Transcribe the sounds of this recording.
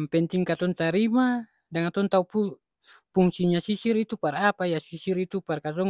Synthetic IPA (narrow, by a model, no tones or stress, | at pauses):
mpɛnt̪iŋkat̪ɔnt̪aɾima | daŋat̪ɔnt̪aupu | puŋsiɲasisirit̪upaɾapajasisiɾit̪uparkasɔŋ